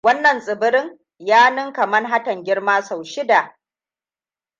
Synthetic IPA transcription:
wɐ˦nːɐ˨nsʼɪ˨bɪ˦ɾɪ˦ŋ | jaː˦nɪ˦ŋkɐ˨mɐ˦rɦa˦tɐ˨ŋɡʲɪ˦ɽmaː˦sa˨wʃɪ˦da˨ʔ

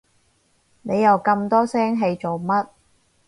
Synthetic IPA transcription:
ne˨˧jɐ˨wkɐ˧mt̪ɔː˥sɛː˥ŋɦe˧jt͡so˨wmɐ˥t̚

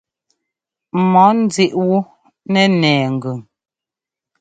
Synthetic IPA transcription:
mɔ˨˦n̩˦d͡zi˦ʔwu˦ | nɛ˨nɛː˨ŋ̩˨ɡʉ˨ŋ

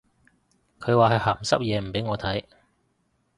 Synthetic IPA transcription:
kʰɵ˨˧ɥwaː˨ɦɐ˨jhaː˨˩msɐ˥p̚jɛː˨˧m̩˨˩pe˨˥jŋɔː˨˧t̪ʰɐ˨˥j

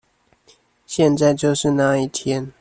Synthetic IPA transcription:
ɕjɛ˥˧nt͡sa˥˧ɪt͡ɕjo˥˧ʊʂɻ̩˥˧na˥˧i˥˩t̪ʰjɛ˦n

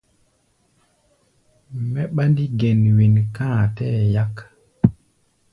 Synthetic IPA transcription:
mɛ˦ɓa˦ndi˦ɡɛ˨nwi˨nkã˦˨tɛ˦˨ja˦k

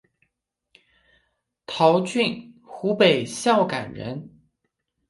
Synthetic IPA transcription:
t̪ʰɑ˧˥ʊt͡ɕy˥˩n | xu˧˥pe˨˩ɪɕjɑ˥˩ʊka˨˩nɻə̰˧˥n

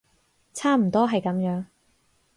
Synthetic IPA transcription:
t͡sʰaː˥m̩˨˩t̪ɔː˥ɦɐ˨jkɐ˨˥mjœː˨˥ŋ

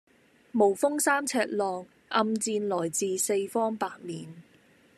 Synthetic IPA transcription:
mo˨˩wfʊ˥ŋsaː˥mt͡sʰɛː˧t̚lɔː˨ŋ | ʔɐ˧mt͡siː˧nlɔː˨˩jt͡siː˨˧se˧jfɔː˥ŋpaː˧t̚miː˨n

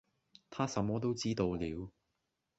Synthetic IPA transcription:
t̪ʰaː˥sɐ˨˧˥mːɔː˥t̪o˥wt͡siː˥t̪o˧wliː˨˧w

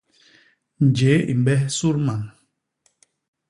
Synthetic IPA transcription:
n̩˨d͡ʒe˨˦ḭ˨m˨bɛ˦su˦ɾma˨n

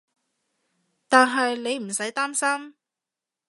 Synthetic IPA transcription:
t̪aː˨nɦɐ˨jle˨˧jm̩˨˩sɐ˨˥jt̪aː˥msɐ˥m

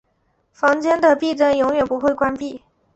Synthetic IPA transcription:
fɑ˧˥ŋt͡ɕjɛ˥nd̪ə˨pi˥˧ʈ͡ʂə˥njʊ˧˥ŋɥɛ˨˩npu˧˥xwe˥˩ɪkwa˥npi˥˩

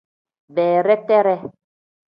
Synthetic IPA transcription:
bɛː˨ɾɛ˦tɛ˦ɾɛ˦

